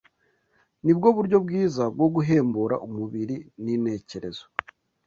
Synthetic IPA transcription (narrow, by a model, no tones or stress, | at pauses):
nib̚ɡo̞βuɾɟo̞bɡiːzab̚ɡo̞ɡuɦe̞ːmbuɾa̰ʔumuβiɾinine̞ːce̞ɾe̞zo̥